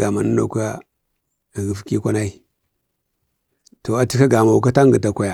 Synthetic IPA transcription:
ɡa˨ma˨na˦no̰˨ka˦˨ | ɣi˨˦fki˦kʷa˦na˦i˦ | to˨a˨ti˦ka˦ɡa˨ma˨wu˨ka˦ta˦ŋɡə˨ta˨kʷa˨ja˨

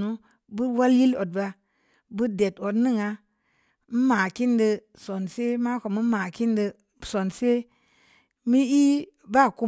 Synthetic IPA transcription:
nu˦ | bɨ˦wa˦lji˦lo˨d̚ba˧ | bɨ˦de˨to˨tnɨ˦ŋa˧ | m̩˦ma˨ki˦ndə˧ | so˨nse˦ma˦ko˨mɨ˦ma˨ki˦ndɨ˧ | so˨nse˦ | mi˦i˦ | ba˦˨ku˧˦

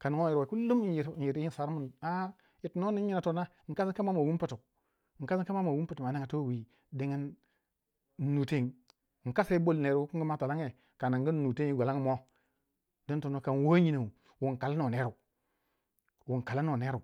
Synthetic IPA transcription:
ka˨n˦ŋo˦ji˨ɾa˨ku˦lu˦mi˦ji˨ɾi˨ɾji˦˨sa˨˦ɾmu˦˨na˦ | ji˨tno˦ni˦i˦na˨to˦na˦ŋ̩˨ka˦si˦ka˦ma˦mo˨wu˦m˦pi˨tu˨ | ŋ˨ka˦si˦ka˦ma˦mo˨wu˦mpi˦tu˨ma˨na˦ŋa˨to˦wi˨ | di˦ŋi˦n˦ | nu˨te˦˨ŋ˨ | ŋ̩˨ka˦sa˦bo˦lne˨ɾu˦u˦ku˦ŋ˦ɡi˦ma˦ta˨la˦ŋe˨ | ka˨na˨ŋɡi˦nː˦u˨te˦ŋi˦ɡʷa˨la˦ŋ˦mo˦ | do˦n˦to˨no˨ka˨n˨wo˦ɲi˦na˨u˨ | wu˨ŋ˨ka˨la˦no˨ne˦ɾu˨ | wu˨ŋ˨ka˨la˦no˨ne˦ɾu˨

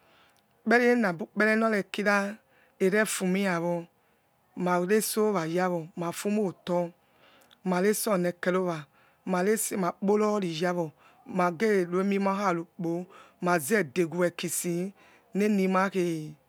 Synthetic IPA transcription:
k͡pɛ˦i˦e˦na˨bu˦k͡pɛ˦lɛ˦nɔ˦lɛ˨ki˦ɾa˦ | e˨ɾɛ˦fu˨mi˦ja˨βɔ˧ | ma˨ɾe˦so˦va˨ja˦βɔ˨ma˨fu˦mo˦˨tɔ˦ | ma˨le˦sɔ˦˨nɛ˨kɛ˨lo˦va˨ | ma˨le˦sma˨k͡po˦lɔ˦ɾi˨ja˦βɔ˨ | ma˨ɡe˦˨lo˨e˦mi˦ma˦ɦa˦˨lu˨k͡po˨˦ma˨zɛ˦de˨ɡu˨ɛ˨ki˨si˨ | ne˦ni˨ma˨˦ke˨

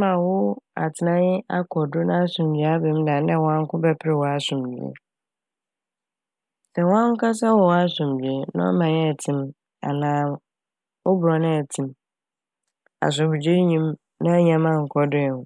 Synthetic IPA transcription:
mã˨wʊ˦a̰˨tʰɪ˨nã˦jɪ˦a˦kʰɔ˨dʊ˦nã˦a˦sʊ̃˨md͡ʑɥa˦bɪ̃˦mdã˨n˦ɛ̃˦˨wɔ̃˦ã˦ŋ˦kʊ̃˦bɛ˦pʰɪ˦ɾɪ˨wɔ˨a˨sʊ̃˨md͡ʑɥḛ˨ | sɛ˨wã˦ŋ˦ka˦s̬ɛ˦wɔ˨wa˦sʊ̃˨mdɥe˨nã̰˦ɔ̰˦mã˨jɛ˦˨tʰɪ̃˨m | a̰˨nãː˨˦ | ɔ˦bʊ˨ɾɔ˨nɪ̃˦ɛ˨tʰĩ˨m | a̰˨s̬ʊ˨hʊ˨d͡ʑe˦ɲĩ˦m | nã˦ɲã˨mã˦ŋ̩˨kʰɔ˨dʊ˦ɛ˨nʊ̃˨

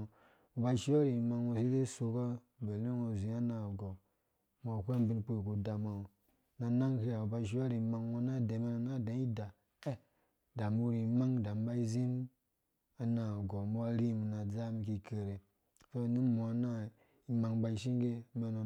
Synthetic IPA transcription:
u˨ba˧i˦˨ʃi˦wa˦ɾi˨i˨ma˧ŋwo˧s̬i˦e˦so˧ka˦˨ | be˨lo˦ŋo˧˨zi˨˦a˦na˨ɡɔ˨ | mo˧˨kʷe˦m˦bi˧nk͡po˦˨ku˨da˨ma˨o˨ | na˧na˦ŋke˦ja˨u˨ba˧˨ʃ̬i˦wa˦ɾi˨ma˧ŋwo˧na˦˨de˨˦me˧˦no˨na˦˨da˨˦i˦da˨ | e˦ | da˨mu˦ɾi˨˧˦ma˦ŋda˨m˦ba˦i˦zi˦m | a˨na˨ɡɔ˨mo˦a˦ɾi˦mi˨na˨d͡za˦mi˧ki˧ke˨ɾe˨ | so˦˨ni˦mɔ˨˦na˦ | i˨ma˨ŋba˧i˨ʃi˦ŋ˦ɡe˦me˧no˨

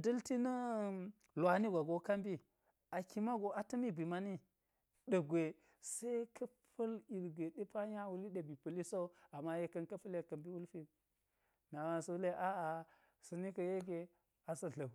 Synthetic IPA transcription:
dɐ˦lti˦nɐ˦ | lwa˨ni˦ɡʷa˨ɡo˦ka˦mbi˦ | a˨ki˨ma˦ɡo˨ʔa˨tɐ˦mi˦bʷi˨ma˦ni˦ | ɗɐ˨ɡʷe˨ | se˦i˦kʰɐ˦pʰɐ˦li˨lɡʷe˨ɗe˦pa˦ɲa˦wu˨li˦ɗe˨bi˨pɐ˨li˦so˦a˨ma˦je˦kɐ˦nkɐ˦pɐ˦lje˨kɐ˨mbi˦wu˦lfi˦ | na˨wa˨nso˦le˦ʔa˦a˨ | sɐ˨ni˦kɐ˨je˦ɡe˨ | a˨sɐ˦ɮɐ˨

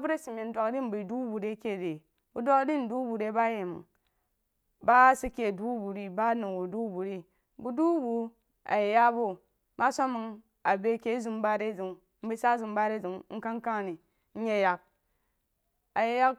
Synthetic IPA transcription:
a˨bu˦ɾe˦si˨me˨n̩˦dʷa˨kdi˦m̩˦bi˨du˦bu˨ɾe˦ke˦˨de˨ | bu˦dʷo˦kdi˦n̩˨du˦bu˨ɾe˦ba˦je˨mɨ̰˨ŋ | ba˦si˦kʲe˨du˦bu˨ɾi˦ba˦nu˨wu˨du˦bu˨ɾi˦ | bu˨du˦bu˦ | a̰˨je˨ja˦bo˦ | ma˦sʷa˦mɨ˨ŋ | a˨be˦kʲe˦zu˦m˦ba˦ɾe˦zi˨ŋ̩˨˦bi˦sa˦zu˨m˦ba˦ɾe˦zu˨ŋŋ̩˦ka˦ŋ˦ka˦ŋ˨ni˨ | n̩˦ɲe˦ja˨k̚ | a˨je˨ja˦k

